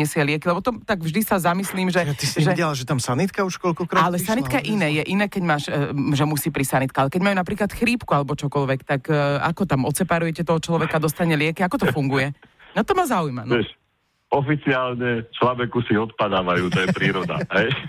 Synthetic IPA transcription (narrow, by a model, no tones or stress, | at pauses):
ɛsɪɛlɪɛkilɛbɔt̪ɔt̪aɡvʒd̪isazamisliːmʒɛt̪isiʒɛɛlaʒɛt̪amsanit̪kauʃkɔʎkɔkɾɔalɛsanikajɛʔinɛːjɛʔinɛːkɛɟmaːʃʒɛmusiːpɾisanit̪kaɦalɛkɛɟmaːjunapɾiːklat̪xɾiːpkualɛbɔt͡ʃɔkɔlʋɛkt̪aka̰kɔt̪amɔt̪t͡sɛpaɾujɛcɛt̪ɔɦɔt͡ʃlɔʋɛkad̪ɔst̪aɲɛlɪɛkiakɔt̪ɔfuŋɡujɛ | nat̪ɔmaːzaujmanɛʃ | ɔfit͡siaːlɲɛt͡ʃlabɛkusiɔt̪pad̪aːʋajuːt̪ɔjɛpɾiːɾɔd̪a̰ɦɛj